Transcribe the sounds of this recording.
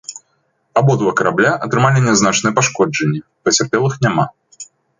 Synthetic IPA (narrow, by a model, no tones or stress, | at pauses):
abɔd̪vɐkɐɾablʲaʔɐt̪ɾɨmalʲinʲɛznat͡ʂnɨjɛpaʂkɔd͡ʐɐnʲːɛpɐt͡sʲarpʲɛlˠɨxnʲama